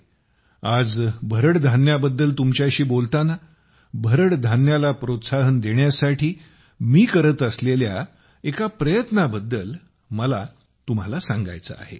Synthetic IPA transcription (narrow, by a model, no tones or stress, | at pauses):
ad͡zbʱəɾəɽd̪ʱanjabəd̪ːəlt̪umt͡ɕjaɕiːbolt̪ana | bʱəɾəɽd̪ʱanjalapɾot̪saɦənd̪eɳjasaʈʰiː | miːkəɾət̪əslelja̰ | ekapɾəjət̪nabəd̪ːəl | məla | t̪um̤alasãŋɡa̰jt͡sə̰a̰ɦḛ